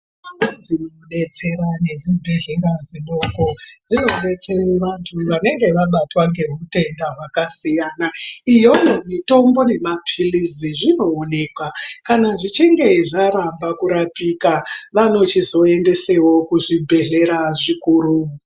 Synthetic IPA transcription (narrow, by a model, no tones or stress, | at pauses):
anad͡zino | ɗe̞t͡se̞ɾane̞ʐibʱeɮeŋɡaziɓoko̞d͡zino̞ɗe̞t͡se̞iʋantʰuʋane̞ŋɡe̞ʋaɓatwaŋɡe̞ɦute̞ndaɦwakasijanaijo̞momito̞mbo̞ne̞mapʰiliziʐino̞ːne̞ːkwakanaʐit͡ʃiŋɡe̞ʐaɾambakuɾapikaʋano̞t͡ʃizo̞e̞nde̞se̞wo̞kuʐibʱe̞ɮe̞ɾaʐikuːɾu